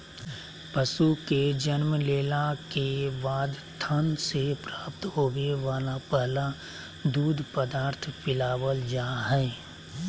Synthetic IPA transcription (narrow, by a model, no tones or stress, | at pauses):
pəsuked͡ʒənməleːlakebaːd̪t̪ʰənsepɾaːp̚t̪ɦoːbeʋaːlapɛɦla | d̪uːd̪ʱpəd̪aːɾt̪ʰfɪlaːwəld͡ʒaːɦɛː